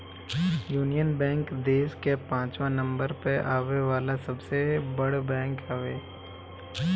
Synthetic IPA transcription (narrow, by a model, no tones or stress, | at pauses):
juːnijənbɛ̃ːŋkd̪eːskepãːt͡ʃʋãnə̃mbəɾpeʔaːʋeʋaːlasɐbsebɐɽbɛ̃ːŋkaːʋeː